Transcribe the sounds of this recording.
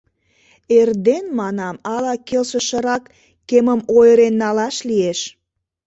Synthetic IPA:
erd̪enmɑnɑmɑlɑkelʃəʃəɾɑkː | eməmojəɾenːɑlɑʃlieʃ

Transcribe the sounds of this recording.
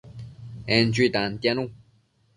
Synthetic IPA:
ɛnt͡ɕyːt̪aŋt̪ɛnuŋ

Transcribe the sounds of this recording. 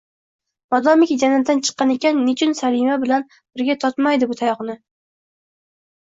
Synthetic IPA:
b̥ɒd̪ɒmɪkʲd͡ʒanad̪ant͡ʃʰɨ̥qːɑnekʲanːʊt͡ʃʰʊnsaɾimabɪlan | b̥ɪɾɡʲat̪ʰɒt̪majd̪ɪbʊt̪ʰajɒχnɪ

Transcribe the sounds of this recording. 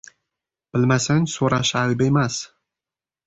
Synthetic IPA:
b̥ɪlmasɪnsoɾaʃajbe̞mas

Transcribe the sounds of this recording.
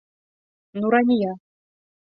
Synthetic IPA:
nuɾanʲijɑ

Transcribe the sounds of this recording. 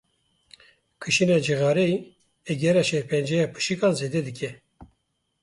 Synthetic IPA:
kʰɨʃinɑːd͡ʒiɣɑːɾe | ɛɡɛɾɑʃɛɾpʰɛnd͡ʒɛjɑːpʰɨ̥ʃikɑːnzeːd̪ɛd̪ɨkʲʰɛ

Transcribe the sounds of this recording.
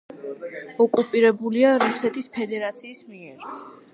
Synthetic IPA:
ɔkʼupʼiɾɛbuliaɾusɛt̪ʰispʰɛd̪ɛɾat̪sʰiːsmiɛɾ

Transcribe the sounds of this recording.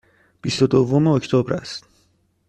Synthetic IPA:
pist̪ot̪ovumeoct̪ʰobɾa̰st̪

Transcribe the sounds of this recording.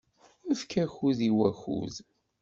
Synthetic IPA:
əfkæçuðiwæxṵð

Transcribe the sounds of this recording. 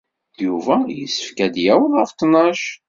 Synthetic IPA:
juvæjəsːə̥fkæd̪jæwəðˤəft̪ːnɑʃ

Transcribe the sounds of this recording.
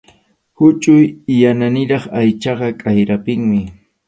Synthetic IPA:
hʊt͡ʃʼʊjjananɪɾɑχajt͡ʃɑɢɑkʼajɾapɪŋmɪ

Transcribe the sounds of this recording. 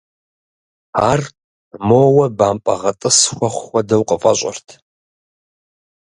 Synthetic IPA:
aːr | moːwɐbaːmpʼɐʁɐtʼɨsxʷɐχʷːɐdɐwqʼəfʼɐɕʷʼɐ̰rtʰ

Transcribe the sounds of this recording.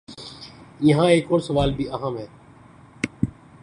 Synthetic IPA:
jɐɦãeːkɔːɾsɐʋaːlbʱiɐɦəmɦɛː

